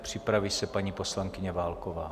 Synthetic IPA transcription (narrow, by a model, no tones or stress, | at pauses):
pr̝̥ɪpɾaviːsɛpaɲiːpo̞slaŋkɪɲɛvaːlkovaː